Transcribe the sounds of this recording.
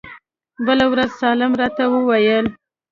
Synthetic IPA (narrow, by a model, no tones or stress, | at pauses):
bəlawɾazsɑlɪmɾɑt̪awəwajəl